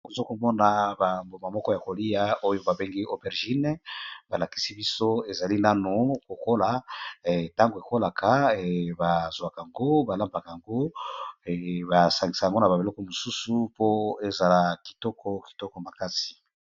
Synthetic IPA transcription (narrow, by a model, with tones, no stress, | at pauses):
ko˨zo˦ko˨mɔ˦na˨ba˨mbo˨ma˨mɔ˦kɔ˦ja˨ko˨li˦ja˦o˦jo˦ba˨be˦ŋɡi˦o˦bɛ˨ʁʒi˦n˦ba˨la˨ki̥˨˦si˦bi˦so˦e˨za˨li˦na˦no˨ko˨ko˦la˨ɛ˨ta˦ŋɡo˨e˨ko˦la˨kʰa˨˦˨ba˨zwa˨ka˨ŋɡo˦ba˨la˦mba˨ka˨ŋɡo˦˨ | ba˨sa˨ŋɡi˨sa˨ja˨ŋɡo˦na˨ba˨e˨lɔ˦kɔ˨mo˨su˦su˦po˦e˨za˨la˨ki̥˨tɔ˦kʰɔ˦ki̥˨tɔ˦kɔ˨ma˨ka˦ti̥˨